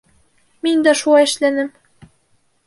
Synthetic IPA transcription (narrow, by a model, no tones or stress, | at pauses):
minʲd̪æʃulɑɘ̆ʃlænɘ̆m